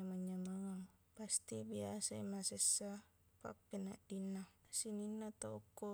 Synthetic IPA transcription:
amaɲːamaŋaŋpast̪ibiasaimasesːa | pa̰pːenaʔdinːasininːat̪aukːo

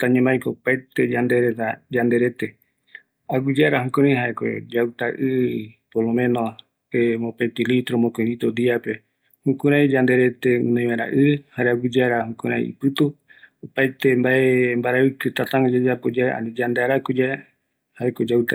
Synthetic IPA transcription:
t̪aɲẽmajkopajt̪e̞d͡ʒand̪eɾet̪ad͡ʒand̪e̞ɾe̞t̪e̞ | aɡud͡ʒaɾaɦũkuɾãj̃ɦaeko̰d͡ʒawt̪aʔɨpolomẽ̞no | emõpet̪ilit̪ɾomõkoĩɾit̪od̪iape̞ | hũkũɾãj̃d͡ʒand̪e̞ɾe̞t̪e̞ɨ̰̃nõj̃wãɾa̰ʔɨhaɾeaɡɨd͡ʒaɾahukuɾã̰j̰ḭpɨt̪u | opajt̪e̞mbaembaɾaɨkɨt̪at̪ãŋod͡ʒad͡ʒapod͡ʒaa̰nid͡ʒand̪eaɾakud͡ʒa | haekod͡ʒawt̪a

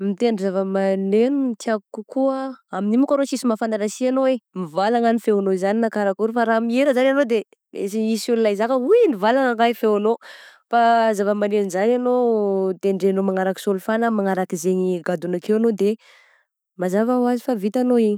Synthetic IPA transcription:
mit̪enizavəmanenunt̪iaɡukukuaaminimukaɾosisimafananasianoemivalaŋanifeanoizaninakaɾakuɾufaɾamieɾəzananod̪e | ḛsiisululajzakəujinivalaŋaŋajfeanofazavəmanenzananod̪eɳɖ͡ʐenomaŋaɾaki̥solufanəmaŋaɾakizeɲiɡad̪unakewanod̪e | mazavawazifavit̪anoiɲi̥

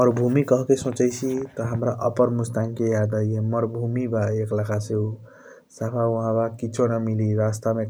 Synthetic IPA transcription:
mʌɾbʱumikʌɦkesõt͡ʃəjt͡ʃʰit̪ɔɦəmɾaʔʌpəɾmust̪aŋkejad̪ajjemʌɾbʱumibaeklakʰaseu | sapʰauɦãbakit͡ʃʰonʌmiliɾast̪ame

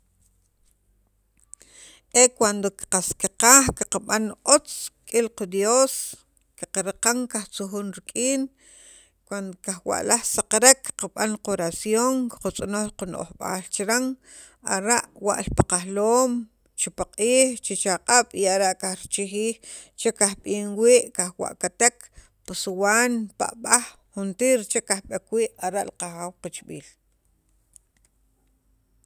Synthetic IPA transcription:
ʔekwand̪oki̥qaskiqaːχkiqaɓanʔot͡skʼilqad̪joːs | kiqaɾqaŋkaχt͡suxuːnɾikʼiːn | kwand̪okaxwa̰ʔlaχsaqaɾekːqaɓanqoɾasjoŋki̥qut͡sʼonoχquno̰ʔχɓa̰ːlt͡ʃɾaŋ | aɾaʔwa̰ʔlpaqaxloːm | t͡ʃipaqʼiːχt͡ʃit͡ʃaqʼaɓ̥iaɾaʔkahɾit͡ʃixiːxt͡ʃekahɓiːŋwiːʔkaxwa̰ʔkat̪ek | pasuwaːnpa̰ʔɓaxːunt̪iːɾt͡ʃekahɓekwiːʔaɾaʔliqaxawqat͡ʃɓḭːl

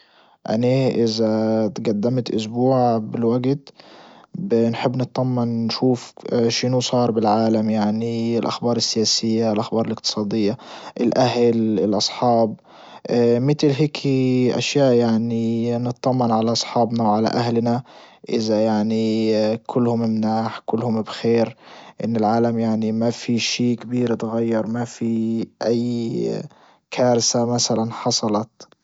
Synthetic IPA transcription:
ʔa̰neʔɪzat̪ɡad̪ːamt̪ʔʊsbuːʕbɪlwaɡt̪ | bnħɪbːnɨt̪ˤd̪ˤɑmːɪnːʃuːfʃɪnusˤɑːɾˤbɪlʕaːlamjaʕniɪlʔaxbɑːɾˤɪsːɪjaːsɪjːaɪlʔaxbɑːɾˤɪlɪkt̪ɨ̥sˤɑːd̪ɪjːaʔɪlʔaɦlɪlʔɑsˤħɑːb̚ | mɪt̪lɦeːkʰʔa̰ʃjaːʔjaʕninɨt̪ˤðˤɑmːɪnʕalaʔɑsˤħɑːbnawʕala̰ʔahlnaʔɪðajaʕnikʰʊlːhʊmɪmnaːħkʊlːhʊmbxeːɾʔɪnːɪlʕaːlamjaʕnimafiʃiːkabiːɾt̪ɣajːɑɾˤmafiʔajː | kʰaːɾsamasalanħɑsˤɑlɑt̪

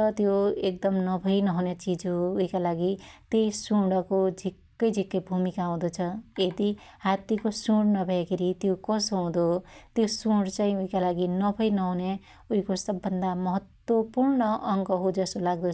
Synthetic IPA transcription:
tʌt̪joek̚d̪ʌmnʌbʱʌjnʌɦunet͡sid͡zɦuːikalaɡit̪jejsuɽʌkod͡zʱikːʌjd͡zʱikːʌjbʱumikaʌw̃d̪ot͡sʰʌed̪ihat̪ikosuɽnʌbʱʌjekʰeɾit̪jokʌsoɦũd̪ot̪josuɽt͡saĩuɦĩkalaɡinʌbʱʌjnʌɦune | uikosʌbːʌnd̪amʌɦʌt̪wʌpurɳʌʔʌŋɡʌɦud͡zʌsolaɡ̚d̪o

